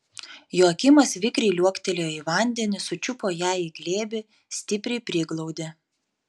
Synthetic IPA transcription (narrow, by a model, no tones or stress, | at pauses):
joːkʲɪmɐsʋʲɪkɾʲɛɪlʲuɔkʲt̪ʲɛlʲeːoiːʋɐˑnʲd̪ʲɛnʲɪsʊt͡ʃʲʊpoːjæːiɡlʲeːbʲɪ | sʲt̪ʲɪpʲɾʲɛɪpʲɾʲiːɡlˠɔʊd̪ʲe